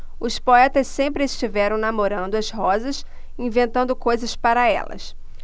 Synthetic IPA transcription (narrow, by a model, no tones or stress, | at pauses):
ʊspoɛt̪ɐssẽmpɾɪɪst͡ʃivɛɾɐ̃w̃namoɾɐ̃nd̪ʊɐzɦɔzɐs | ĩvẽnt̪ɐ̃nd̪ʊkojzɐspaɾɐɛ̰lɐ̰s